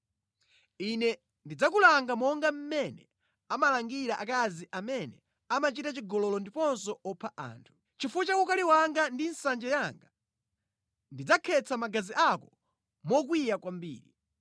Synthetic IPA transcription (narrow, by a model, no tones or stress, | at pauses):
inɛ | ndid͡zakulaŋɡamɔŋɡam̩mɛnɛ | amalaŋɡiɾaʔakaziʔamɛnɛ | amat͡ʃitat͡ʃiɡɔlɔlɔndipɔnsɔɔpʰaʔa̰ːntʰu̥ | t͡ʃifut͡ʃakukaliwaŋɡandinsand͡ʒɛjaŋɡa | ndid͡zakʰɛt͡sʰamaɡaziʔakɔ̥ | mɔk̬wijakwambḭːɾi